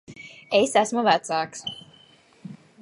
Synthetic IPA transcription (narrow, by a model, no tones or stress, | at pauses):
esæsmuvæt̪saːks